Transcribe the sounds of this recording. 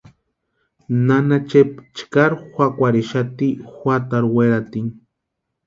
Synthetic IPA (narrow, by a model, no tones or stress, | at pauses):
nanat͡ʃep̚t͡ʃkaɾxʷakʷaɾeʃat̪ixʷat̪aɾweɾat̪iŋ